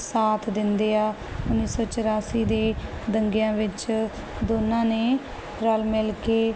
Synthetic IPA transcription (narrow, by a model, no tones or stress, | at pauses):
saːt̪ʰd̪ɪnd̪eːaː | ʊnːiːsɔːt͡ʃəɾaːsiːd̪eːd̪əŋɡɪjãːʋɪt͡ʃ | d̪oːnːãːneː | ɾəlmɪlkeː